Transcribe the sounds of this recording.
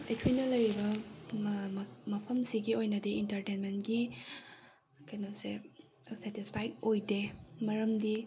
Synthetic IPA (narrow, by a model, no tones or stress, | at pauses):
etʰujnɐlɐjɾibɐ | mɐpʰɐmsiɡiojnɐdiintɐɾtenmentɡi | kɐjnose | sɛtispʰajkojdemɐɾɐmdi